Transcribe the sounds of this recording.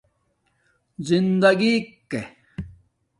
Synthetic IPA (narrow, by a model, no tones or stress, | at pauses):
zind̪ɐɡikkːe